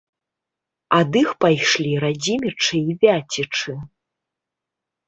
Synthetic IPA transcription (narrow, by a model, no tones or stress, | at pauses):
ad̪ɨxpajʂlʲiɾad͡zʲimʲit͡ʂɨivʲat͡sʲit͡ʂɨ